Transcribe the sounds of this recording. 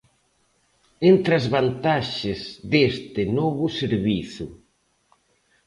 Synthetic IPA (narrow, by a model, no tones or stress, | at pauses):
ent̪ɾazβant̪aʃɪzðest̪ɪnɔβʊseɾβiθʊ̰